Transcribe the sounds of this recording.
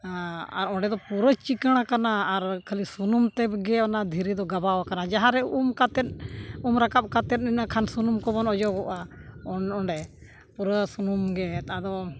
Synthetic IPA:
a̰ɾɔɳɖɛd̪ɔpuɾət͡ʃikəɽ̃akanaːɾkʰalisunumt̪ɛbɡɛɔnad̪ʱiɾid̪ɔɡabawakanad͡ʒaɦaɾɛumkat̪ɛt̪̚umɾakap̚kat̪ɛt̪̚ninakʰansunumkɔbɔnɔd͡ʒɔɡɔʔaɔɔɳɖɛ | puɾəsunumɡɛt̪ad̪ɔ

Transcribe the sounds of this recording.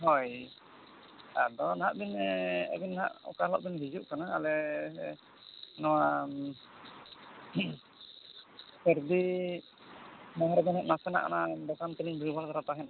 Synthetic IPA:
ɦɔj | adɔnaɦaʔb̪inɛə̰ɡinːha̰ʔɔ̰kalɔ̰ʔ̚b̪inɦid͡ʒuʔkanaːlɛ | nɔwa | pɛɾd̪i | maɦaɾd̪ɔnɦaʔnasɛna̰ʔa̰nabɔk̪ant̪iliŋbilbalt̪aɾat̪aɦɛn

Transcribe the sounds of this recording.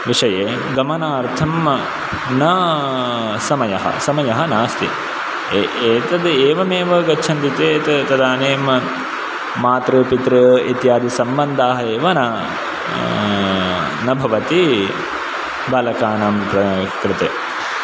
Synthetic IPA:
ʋiʂɐjeː | ɡɐmɐnaːɾt̪ʰɐm | nɐ | sɐmɐjɐɦɐ̰sɐmɐjɐɦɐnaːst̪i | eːt̪ɐd̪eːʋɐmeːʋɐɡɐtːt͡ʃʰɐnt̪it̪eːt̪ɐt̪ɐd̪aːneːm | maːt̪ɾupit̪ɾɐit̪jaːd̪isɐmbɐnd̪aːɦɐeːʋɐnɐ | nɐbʱɐʋɐt̪i | bɐlɐkaːnɐmpɾɐkɾɪt̪eː

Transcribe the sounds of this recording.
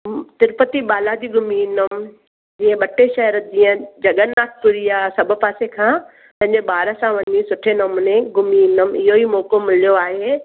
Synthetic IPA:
t̪ɪɾpət̪iɓaːlad͡ʑiɡʊminəm | d͡ʑiːə̃ɓɐʈeʃɐɦɾəd͡ʑĩːə̃d͡ʑɐɡənaːʈʰpʊɾiaːsɐbʱʊ̆paːsekʰãː | pɐ̃ɦɪ̃ɲ̆d͡ʑeɓaːɾəsãʋɐɲisʊʈʰenəmnẽɡʊmiɪnəmɪ̰ɦoimoːkomɪlijoaːɦe

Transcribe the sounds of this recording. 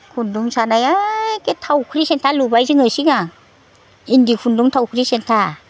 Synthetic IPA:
kʰunduŋsanajaketʰawkʰɾisentʰalubajziŋɯsiŋa | indikʰunduŋtʰawkʰɾisentʰa

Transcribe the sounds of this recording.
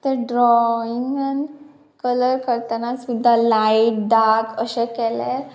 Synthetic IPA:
t̪əɾɖɾɔiŋən | kələɾkəɾt̪anasud̪ʱːalaiʈ̚ɖakəɕɛkɛlɛ

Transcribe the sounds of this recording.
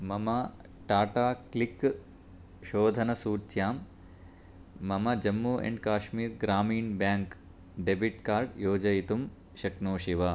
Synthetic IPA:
mɐmɐ | ʈaːʈaːklik | ʃoːd̪ʱɐnɐsuːt͡ʃjaːm | ɐmɐd͡ʒɐmːuːʔḛɳɖkaːʃmiːɾɡɾaːmiːnbjaːŋk | ɖebiʈkaːɾɖjoːd͡ʒɐjit̪um | ʃɐknoːʃiʋa

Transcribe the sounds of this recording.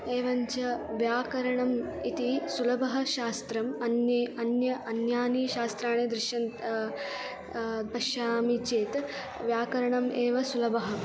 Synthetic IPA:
eːʋɐɲt͡ʃɐʋjaːkɐɾɐɳɐmit̪isulɐbɐɦɐʃaːst̪ɾɐmɐnjɐnjɐʔɐnjaːniːʃaːst̪ɾaːɳeːd̪ɾɪʃjɐnt̪ | bɐʃjaːmit͡ʃeːt̪ | ʋjaːkɐɾɐɳɐmʔeːʋɐsulɐbʱɐɦɐ̆

